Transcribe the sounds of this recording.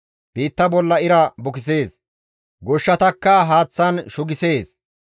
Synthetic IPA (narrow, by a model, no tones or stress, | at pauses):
b̥iːt̪ːɐbɔlːɐɪɾɐbʊkɪs̬e̞ːs | ɡɔʃːɐt̪ɐkːɐɦaːt͡sːɐnʃʊɡɪse̞ːs